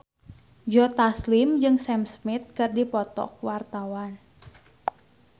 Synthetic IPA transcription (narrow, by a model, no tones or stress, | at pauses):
d͡ʒɔt̪aslɪmd͡ʒɨŋsɛmsmɪt̪̚kɨrdipɔt̪ɔ̰k̚wart̪awan